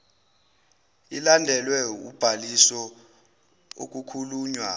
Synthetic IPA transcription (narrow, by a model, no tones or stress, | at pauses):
ilandʱɛlwɛṵb̥ʱalisɔ | o̰k̬ʼukʰuluːɲwa